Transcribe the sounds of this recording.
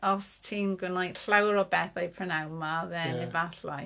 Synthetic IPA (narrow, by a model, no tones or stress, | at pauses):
ɔstʰiːnɡwɪnajɬawɾɔbɛθejpʰrɔnawmaðɛnɛvaθlɔj